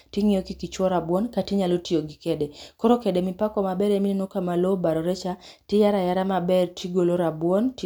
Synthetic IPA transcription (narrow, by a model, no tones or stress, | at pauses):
tɪŋɪokikit͡ʃwɔɾabwɔnkatiɲalotioɡikɛdekɔɾɔkɛdemɪpakɔmabɛɾeminenokamalobaɾɔɾɛt͡ʃatɪjaɾajaɾamabɛrtiɡoloɾabwɔnt